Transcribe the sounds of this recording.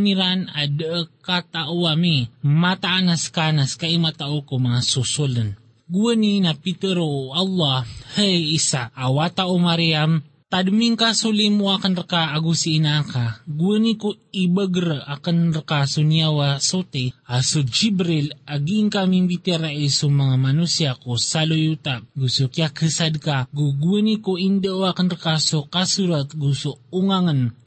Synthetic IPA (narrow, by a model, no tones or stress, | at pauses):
niɾanadəʔəkat̪aʔuamimat̪aʔanaskanaskaʔimat̪aʔokomaŋasusulən | ɡuəninapit̪əɾoʔalːɑhɛisaʔːwat̪aʔomaɾiam | t̪adumiŋkasulimuakanɾakaːɡusiːnakaɡuənikuibəɡɾəakənrkasuniawasot̪iasud͡ʒibɾilaɡiːŋkamiŋbit̪eɾaisumaŋamanusiakosalojut̪aɡusukiakʰəsad̪̚kaɡuɡuənikoindəʔoakənrkasukasuɾat̪̚ɡusuuŋaŋən